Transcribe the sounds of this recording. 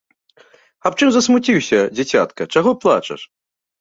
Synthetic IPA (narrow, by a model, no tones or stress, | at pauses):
apt͡ʂɨmzɐsmut͡sʲiwsʲɐd͡zʲat͡sʲat̪kɐt͡ʂaɣɔplˠa̰t͡ʂɐ̰ʂ